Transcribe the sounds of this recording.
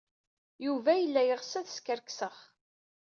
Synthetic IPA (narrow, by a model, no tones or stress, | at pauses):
juvæjəlːæjəʁsæðskəɾksəχ